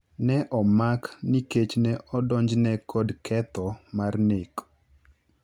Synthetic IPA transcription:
nɛʔɔmakniket͡ʃnɛʔɔdɔɲd͡ʒnɛkʰɔdkʰɛt̪ɔmarnek

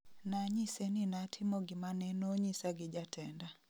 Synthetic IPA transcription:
naɲisenɪnatʰɪmoɡɪmanɛnoɲisaɡɪd͡ʒatʰɛnda

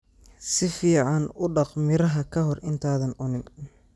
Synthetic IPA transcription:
sɪfiːʕɑnʊɖɑqmɪɾɐɦɐkʰɐɦɔrɪnt̪ʰaːðɐnʊnɪn

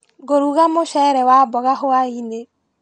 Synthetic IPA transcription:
ɡoɾuɣamoʃɛɾɛwabɔɣaɦoaine

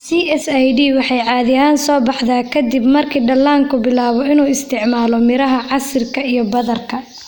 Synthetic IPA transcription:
siːɛsajɖiːwɑħɑjʕɑːðɪaːnsɔːbɑħðaːkʰɐd̪ibmɐrkʰiːɖɐlːaːŋkʰʊbɪlaːβɔɪnuːɪst̪ʰɪʕmaːlɔmɪɾɐɦɐʕɑsɪrkʰɐijɞbɐðɐrkʰɐ

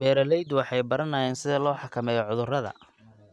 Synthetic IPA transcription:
bɛːɾɐlɛjd̪wɑħɑjbɐɾɐnaːjɛːnsɪðɐlɔːħɑkʰɐmɛːjɔʕʊðʊrɐðɐ̰

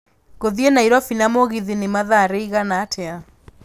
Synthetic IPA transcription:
ɣoðienaiɾɔfinamoɣiðinemaðaɾeiɣanaːtʰɛa

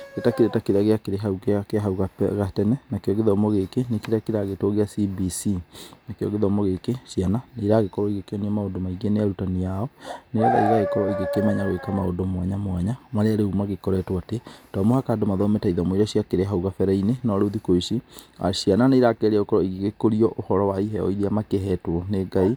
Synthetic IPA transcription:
ɣetakeɾetakeɾeaɣeakeɾeɦauɣekeaɦauɣa̰ɣatɛnɛnakeɔɣeðɔmɔɣekenekeɾeakeɾaɣetoɣeasibisinakeɔ̰ɣeðɔmɔɣekeʃiananeɾaɣekɔɾɔiɣekeɔniɔmaondomaiɣeneaɾutaniaɔneɾaða̰iɣaɣekɔɾɔiɣekemɛɲaɾwekamao̰ndomwaɲamwaɲamaɾeaɾehumaɣekɔɾɛtwatetɔmohakadomaðɔmɛtaiðɔmoiɾaɕiakeɾeɦauɣafɛɾɛinenɔɾoðikoiʃia̰ʃiananeiɾakɛɾeokɔɾɔiɣeɣekoɾiɔʔohɔɾɔwaiɦɛɔ̰iðeamakeɦɛtwɔneɡai

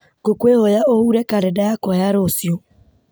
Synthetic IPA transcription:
ɡ̥okwehojaohuɾɛkaɾɛdajakɔjaɾosjɔ

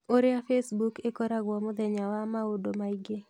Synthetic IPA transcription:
oɾɪafesbukekoɾaɡwɔmʊd̪ɛɲawamaodomaiɡe

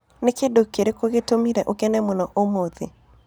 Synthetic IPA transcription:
nɪkedokeɾekoɡetomiɾɛʔokenɛmonɔʔomoðḛ

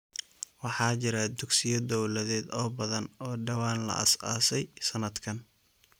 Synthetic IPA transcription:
wɑħɑːt͡ʃɪɾɐd̪ʊɡsɪjɐd̪ɔwlɐðɛːd̪ɔːbɐðɐnɔːɖɐwaːnlɐ̰ʔɐ̰sa̰ːsɛjsɐnɐd̪kʰɐn

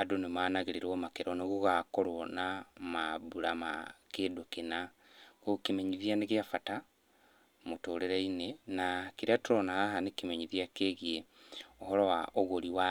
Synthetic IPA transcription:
adonemaːnaɣeɾeɾwɔmakeɾɔneɣuɣakoɾonamaβuɾama̰kedokena | ɣokemeɲiðianeɣjafata | motoːɾeɾainenakiɾeatuɾɔnaahanekemeɲiðiakeɣieohɔɾɔwaʔoɣoɾiwa

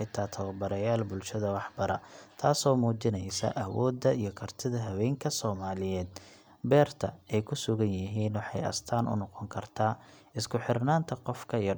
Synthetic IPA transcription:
t̪ʰaːt̪ʰɐwɐbɐɾɐjaːlbʊlʃɐðɐwɑħbɐɾɐ̰t̪ʰaːsɔːmuːt͡ʃɪnɛjsɐ̰ʔɐwɔːd̪ːɐijɞkʰɐrt̪ʰɪðɐɦɐwɛːŋkʰɐsɔːmaːlɪjɛːd̪̚ | bɛːrt̪ʰɐɛjkʰʊsʊɣɐnjɪɦiːnwɑħɑjɐ̰st̪ʰaːnʔʊ̰nɔqɔŋkʰɐrt̪ʰaːɪskʰʊħɪrnaːnt̪ʰɐqɔfkʰɐij

